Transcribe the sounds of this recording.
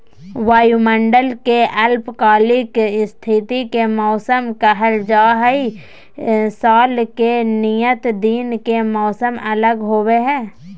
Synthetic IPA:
ʋaːjumə̃ɳɖəlkeʔəlpkaːlɪkst̪ʰɪt̪ikemɔːsəmkəɦəld͡ʒaːɦəi | saːlkenijət̪d̪iːnkemɔːsəmɐləɡɦoːweɦɛ̃ː

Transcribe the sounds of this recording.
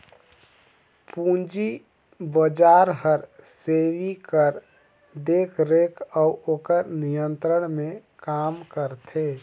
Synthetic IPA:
pũnd͡ʒi | bəd͡ʒaːɾɦəɾseʋikəɾ | d̪eːkʰɾekʰəuʔoːkəɾnijə̃nt̪ɾəɳmẽkaːmkəɾt̪ʰe

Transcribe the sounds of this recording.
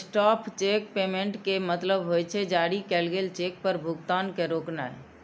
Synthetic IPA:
sʈɔpʰt͡ʃek̚pemeɳʈkemət̪ləbɦojt͡ʃʰɛd͡ʒaɽikɛlɡelt͡ʃek̚pəɾbʱuɡt̪ankeɾokna̰e

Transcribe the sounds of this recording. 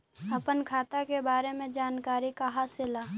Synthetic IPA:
ɐpənkʰaːt̪akebaːɾemẽd͡ʒaːnkaːɾikaɦasɪlaː

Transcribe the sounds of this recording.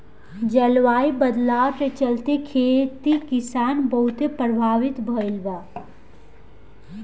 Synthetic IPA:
d͡ʒəlwaːibəd̪lawɾet͡ʃəlt̪ekʰet̪ikisaːnbəɦut̪epɾəbʱaːʋit̪bʱəilba

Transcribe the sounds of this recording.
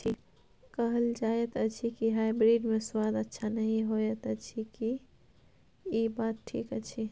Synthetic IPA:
t͡ʃʰi | kəɦəld͡ʒajet̪ət͡ʃʰikiɦaibɾiɖmeswad̪ətːʃʰanəɦĩɦojet̪ət͡ʃʰiki | ibat̪̚ʈʰḭkət͡ʃʰi

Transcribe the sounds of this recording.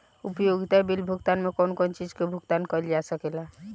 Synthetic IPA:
upjoɡit̪abilbʱuɡt̪anmekonkont͡ʃid͡ʒkebʱuɡt̪ankəld͡ʒasəkela

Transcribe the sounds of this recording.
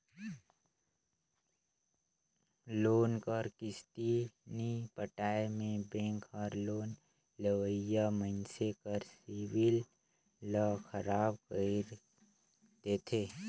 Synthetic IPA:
loːnkəɾkɪst̪inipəʈaːemẽbẽːŋkʰɔɾloːn | ləwəjaməɪnsekəɾsiwɪl | ləkʰəɾaːbkəiɾ | d̪eːt̪ʰeː

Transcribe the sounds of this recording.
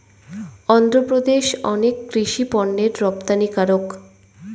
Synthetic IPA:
ɔnd̪ɾopɾod̪eʃɔ̰nekːɾiʃipɔɳːeɾːɔp̚t̪anikaɾok

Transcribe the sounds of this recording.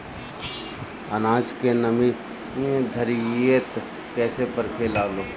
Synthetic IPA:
ənaːd͡ʒkenəmĩ | d̪ʱəɾiet̪ | kɛːsepəɾkʰeːlaːloː

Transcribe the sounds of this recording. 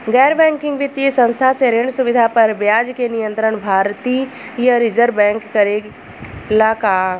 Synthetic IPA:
ɡɛːɾbɛ̃ːŋkɪ̃ŋɡʋɪt̪jisə̃nst̪ʰaseɾeːɳɖsʊʋɪd̪ʱapɐɾʋjaːd͡ʒkenɪjə̃nt̪ɾəɳ̃bʱaːɾt̪ijaɾɪzəɾbɛ̃ːŋkːɐɾe | laːkaː

